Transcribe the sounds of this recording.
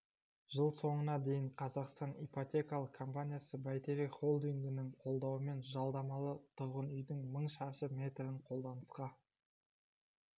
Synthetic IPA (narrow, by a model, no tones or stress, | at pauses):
ʒəlˠso̞ɴənɑd̪e̞jɪɴqʰɑzɑqst̪ɑnipot̪ʲe̞kalˠəqkʰːo̞mpanʲijasəbɑjt̪eɾeχo̞lˠd̪iŋɡʲɪnɪŋqʰo̞lˠd̪ɑwəme̞nʒɑlˠd̪ɑmɑlˠət̪ʰʊɾʁənʏjd̪ɪŋməɴʃɑʃəmʲe̞t̪ɾɪɴqʰo̞lˠd̪ɑnəsqɑ